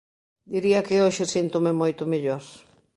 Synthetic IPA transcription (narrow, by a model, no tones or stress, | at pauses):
d̪iɾiɐkɪoʃɪsint̪ʊmɪmojt̪ʊmeʎoɾ